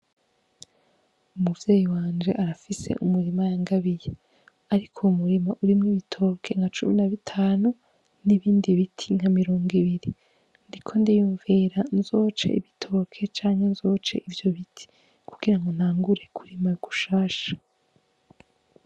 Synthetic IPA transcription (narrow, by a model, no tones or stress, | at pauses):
umuvjeːjiwaːnd͡ʒe̞ʔaɾafise̞̰ʔumuɾimajaŋɡaβije | aɾikʰoumuɾimaʔuɾimŋiβitʰo̞ːkʰe̞ŋɡat͡ʃuminaβitʰaːnu | niβiːndiβitʰiŋhamiɾo̞ːŋɡiβiɾi | ndikʰo̞ndejuːɱveɾanzo̞ːt͡ʃḛḭβitʰo̞ːkʰe̞t͡ʃaːŋhe̞nzo̞ːt͡ʃe̞̰ʔivjo̞βitʰi̥ | kʰuɡ̥iɾaŋɡo̞n̥aːŋɡuɾe̞kuɾimajuɡu̥ʃaːʃḁ